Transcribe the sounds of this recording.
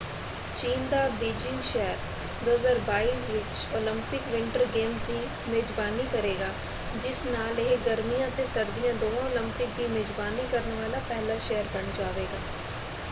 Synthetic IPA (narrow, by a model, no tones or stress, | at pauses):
t͡ʃiːnd̪aːbiːd͡ʒɪ̃ŋɡʃɛːəɾ | d̪oːzaːɾbaːiːsʋɪt͡ʃoːlɪmpɪkʋɪɳʈəɾɡeːmsd̪iː | meːzbaːniːkəɾeːɡaː | d͡ʒɪsnaːleɡəɾmijãːt̪eːsəɾd̪ɪjãːd̪oːʋãːoːlɪ̃mpɪk̚d̪iːmeːzbaːniːkəɾnʋaːlaːpɛːlaːʃɛːəɾbəɳd͡ʒaːʋeːɡaː